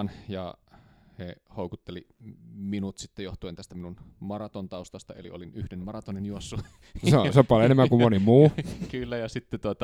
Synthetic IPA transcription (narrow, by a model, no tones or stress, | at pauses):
njɑ̰hehoˑukut̪ːeliminut̪sit̪ːejoht̪uent̪æst̪æminunmɑrɑt̪ont̪ɑust̪ɑst̪ɑḛlḭolinyhdenmɑrɑt̪onenjuosːu | seoseompɑljoenemːæŋkumonimuːkylːæjɑsit̪ːet̪uot̪ɑ